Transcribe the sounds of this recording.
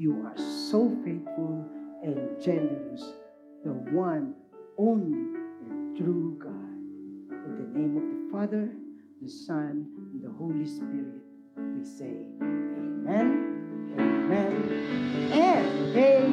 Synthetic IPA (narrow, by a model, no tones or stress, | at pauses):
jua˞soʊfeɪθfʊlˠɛ̃nd͡ʒɛnəə˞əs | ðəwʌ̃n | õnliɛ̃nt̪ɹuɡɑd̚ɪ̃nðɨnẽɪ̃mʌvðəfɑðə˞ | ðɨsʌ̃ñnðəholispɪɹɪt̚ | iseɪemɛ̃nemɛ̃n | ɛ̃nəwe